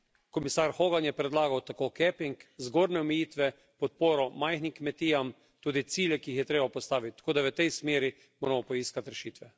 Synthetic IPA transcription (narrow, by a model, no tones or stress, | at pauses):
kɔmisaːɾxoːɡanjɛpɾɛd̪laːɡawt̪akokɛpiŋkzɡoːɾnɛɔmɛjiːt̪ʋɛ | pɔt̪̚poːɾɔmajxnimkmɛt̪iːjam | t̪uːd̪it̪siːljɛkiixjɛt̪ɾeːbapɔst̪aːʋit̪̚t̪ːḁkoːd̪aʋət̪ɛjsmeːɾi | moːɾɛmɔpɔiːskat̪ɾɛʃiːt̪ʋɛ